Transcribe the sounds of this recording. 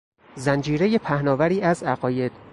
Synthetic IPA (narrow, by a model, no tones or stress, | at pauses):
zænd͡ʒiːɾeje̞pʰæhnɒːvæɾiːæzæɣɒːje̞d̪̥